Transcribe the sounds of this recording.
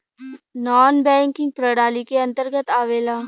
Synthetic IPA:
nɔːnbɛ̃ːŋkɪ̃ŋɡ̚pɾəɽaːlikeə̃nt̪əɾɡət̪aːʋeːlaː

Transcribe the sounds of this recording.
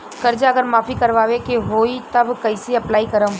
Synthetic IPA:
kɐɾd͡ʒaɐɡəɾmaːfikɐɾʋaːʋekeɦoːit̪ɐbkɐɪseɐplaːikɐɾə̃

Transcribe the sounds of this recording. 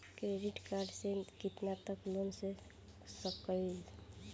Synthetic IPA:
kɾeɖiʈkaɾɖsekit̪nat̪əklonse | səb̚kːəil

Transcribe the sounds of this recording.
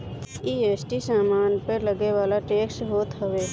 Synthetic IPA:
iːeːsʈisaːmaːnpələɡeʋaːlaʈeːksɦoːt̪ɦəʋeː

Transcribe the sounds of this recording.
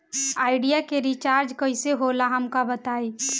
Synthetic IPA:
aːɪɖijakeɾit͡ʃaɾd͡ʒkəɪseɦolaɦəmkabət̪ai

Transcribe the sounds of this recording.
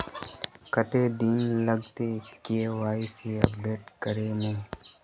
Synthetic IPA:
kət̪eːd̪inləɡt̪ekeʋaːiseə̰p̚ɖeːʈkəɾeːmũː

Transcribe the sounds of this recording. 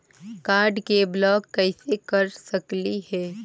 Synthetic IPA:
kaːɾɖkeblɔːkːəɪsekəɾsəklihɛː

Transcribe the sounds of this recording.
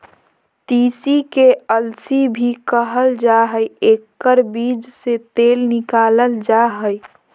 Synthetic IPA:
t̪iːsikeəlsibʱikəɦəld͡ʒaɦəjekːəɾbiːd͡ʒset̪eːlnɪkaːləld͡ʒaɦəj

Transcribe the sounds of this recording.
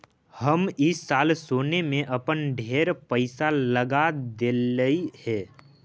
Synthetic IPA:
həmɪsːaːlsoːnemẽʔɐpənɖʱeːɾpəɪsaləɡad̪eːəihɛː

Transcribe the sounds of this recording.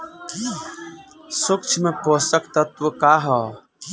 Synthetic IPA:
sʊkt͡ʃʰmepoːsəkt̪ɐt̪wəkaːɦɔ

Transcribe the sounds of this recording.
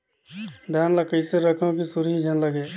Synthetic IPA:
d̪ʱjaːnlɐkəɪseɾɐkʰõkisʊɾiid͡ʒʱənlɐɡeː

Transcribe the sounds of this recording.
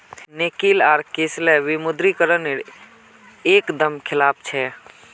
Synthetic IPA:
nekilaːɾkeːslɛʋimʊd̪ɾikəɾəneɾ | eːkd̪əmkʰɪlaːp̚ʰt͡ʃʰɛ

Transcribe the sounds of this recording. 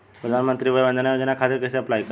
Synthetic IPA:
pɾəd̪ʱanmənt̪ɾiːʋəjbənd̪ənjad͡ʑənakʰat̪eɾkəseəplajk

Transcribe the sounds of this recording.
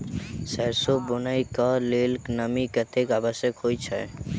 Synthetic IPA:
sɛɾsobʊnaikəlelknəmikət̪ekabəsjəkɦojt͡ʃʰɛ̰

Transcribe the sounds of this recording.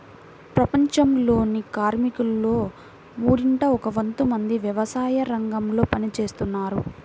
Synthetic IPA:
pɾɐpɐɲt͡ʃɐmlo̞ːnikaːɾmikulːo̞ː | muːɽiɳʈɐɔkɐʋɐnt̪umɐnd̪iʋjɐʋɐsaːjɐɾɐŋɡɐmlo̞ːpɐnit͡ʃe̞ːst̪unːaːɾu

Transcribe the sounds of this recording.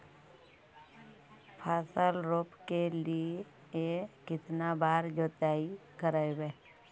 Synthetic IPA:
pʰaːsəlɾoːpkelie | ekɪt̪nabaːɾd͡ʒoːt̪aːikəɾajbeː

